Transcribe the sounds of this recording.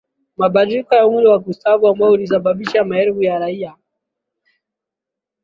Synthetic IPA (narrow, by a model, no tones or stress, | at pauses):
maɓadɾikajaumɾiwaɡustavuambajɔulis̬aɓaɓiʃamaɛɾvujaɾaija